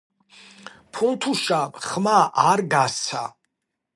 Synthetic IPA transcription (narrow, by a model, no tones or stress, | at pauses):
pʰunt̪ʰuʃaχmaʔaɾɡassʰa̰